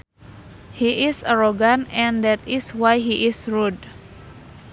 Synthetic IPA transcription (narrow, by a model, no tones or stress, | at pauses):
hiʔisaɾoɡanɛ̃nd̪ɛt̪iswajɦiʔɪsɹud